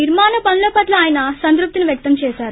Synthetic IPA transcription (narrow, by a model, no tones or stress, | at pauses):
niɾmaːnɐpɐnloːpɐʈlɐaːjɐnɐsɐnd̪ɾup̚t̪iniʋjɐk̚t̪ɐmt͡ʃɛːsaːɾu